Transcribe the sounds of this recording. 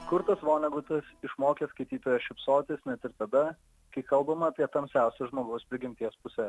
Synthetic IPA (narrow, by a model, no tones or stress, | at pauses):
kʊɾt̪ɐsʋoːnʲɛɡʊt̪ɐsɪʃmoːkʲɛskɐɪt̪ʲiːt̪oːjɛʃʲɪpsoːt̪ʲeːsnʲɛt̪ʲɪɾt̪ɐd̪ɐ | kɐɪkɐlˠbɐmɐːpʲiɛt̪ɐmʲsʲæˑʊsʲɛʒmoːɡɐʊspʲɾʲɪɡʲɪmʲt̪ʲiɛspʊsʲɛ